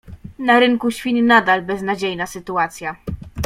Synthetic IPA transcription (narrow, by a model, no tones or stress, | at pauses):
naɾɘŋkuɕfʲiɲnad̪albɛznad͡ʑejnasɘt̪uat̪sʲja